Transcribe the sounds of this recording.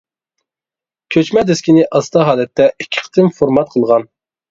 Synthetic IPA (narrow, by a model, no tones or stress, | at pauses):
kʲʰøt͡ʃmɛd̪ɪskʲinɪʔɑst̪ʰɑɦɑːlɛt̪ʰːɛikʲʰːɪ̥qʰə̥t̪ɪmfoɾmɑt̪̚qʰəlˠʁɑn